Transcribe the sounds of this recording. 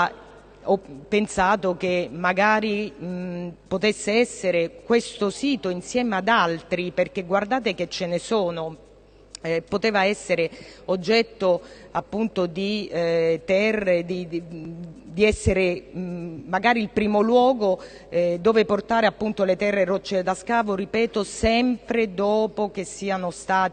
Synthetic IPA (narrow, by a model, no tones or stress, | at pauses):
ɔpːensaːt̪ok̟emːaɡaːɾi | pot̪esːeɛsːeɾekwest̪osiːt̪oinsjɛːmad̪alt̪ɾiperkeɡward̪aːt̪ek̟et͡ʃːenesoːno | pot̪ɛːvaɛsːeɾeod͡ʒːɛt̪ːoapːunt̪od̪i | t̪ɛrːed̪i | d̪iɛsːeɾe | maɡaːɾiilpɾiːmolwɔːɡo | d̪oːveport̪aːɾeapːunt̪olet̪ɛrːerot͡ʃːed̪askaːvoɾipɛːt̪osɛmpɾed̪oːpok̟esːiːanost̪aː